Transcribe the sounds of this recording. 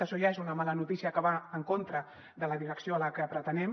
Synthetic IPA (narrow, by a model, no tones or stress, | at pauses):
əʃoʒaezunəmalənut̪isiəkəβaəŋkont̪ɾə | ðələðiɾəksjoələkəpɾət̪ənɛm